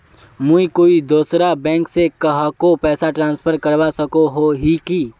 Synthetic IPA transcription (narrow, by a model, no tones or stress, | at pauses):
mũikoːid̪oːsɾabɛ̃ːŋksekɐɦakopɛːsaʈɾãːnspʰəɾkɐɾwasɐkoɦoɦiki